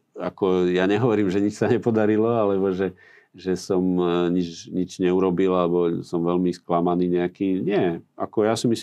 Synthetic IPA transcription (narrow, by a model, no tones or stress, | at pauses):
akɔjaɲɛɦɔʋɔɾiːmʒɛɲit͡ʃsaɲɛpɔd̪aɾilɔalɛbɔʒɛ | ʒɛsɔmɲit͡ʃɲid͡ʒɲɛuɾɔbilalɛbɔsɔmʋɛlmisklamaniːɲɛakiːɲɪɛakɔjasimis